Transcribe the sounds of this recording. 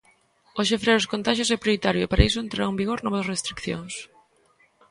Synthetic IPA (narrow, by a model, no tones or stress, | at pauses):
oʃ̬efɾɛɾʊskont̪aʃjosɛpɾjoɾit̪aɾjʊepaɾaisʊent̪ɾaɾaembiɣoɾnɔβɐsrest̪ɾikθjo̰ŋs